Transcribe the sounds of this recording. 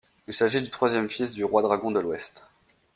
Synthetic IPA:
ilsaʒid̪yt̪χwazjɛmfisd̪yʁwad̪ʁaɡɔ̃d̪əlwɛst̪

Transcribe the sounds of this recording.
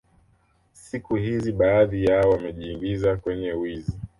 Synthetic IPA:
sikuhiziɓaːðijaɔwamɛʄiːŋɡizakwɛɲɛwizi

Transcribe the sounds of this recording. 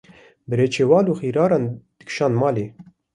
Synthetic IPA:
bɨɾeːt͡ʃʰeːwɑːluːxiːɾɑːɾɑːnd̪̥ɨ̥kʃɑːnmɑːleː

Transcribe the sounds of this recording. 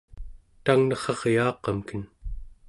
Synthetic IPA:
t̪aŋnʌχʌʁjɑːqɑmkən

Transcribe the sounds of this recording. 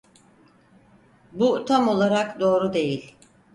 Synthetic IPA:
but̪ʰamo̞lˠaɾakd̪o̞ːɾud̪e̞jilʲ

